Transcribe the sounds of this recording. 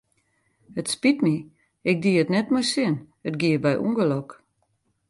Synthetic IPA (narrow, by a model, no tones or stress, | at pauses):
hətspitmi | ɪk̚diətnɛtmɔjsɪn | ət̚ɡiəbɛjʔṵŋɡəlok